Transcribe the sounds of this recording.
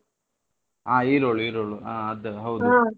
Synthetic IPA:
aːiːɾoːɭuiːɾoːɭuaːɐd̪ɨɦɐwd̪u

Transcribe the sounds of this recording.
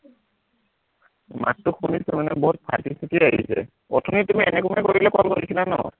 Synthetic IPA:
ma̰tːʊxunisumanɛbɔɦut̚pʰatisikiaɦḭsɛ̰ | ɔtʰunitumiʔɛnɛkumɛkoɹilɛkɔlkoɹisilanɔ

